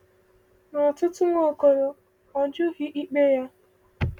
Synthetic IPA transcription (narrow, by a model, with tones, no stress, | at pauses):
nɔ˨tʊ˦tʊ˦ŋʷo˦˨ko˨ɾo˨ | ɔ˨d͡ʒʊ˦ɣi˦ʔi˦k͡pe˦ja˦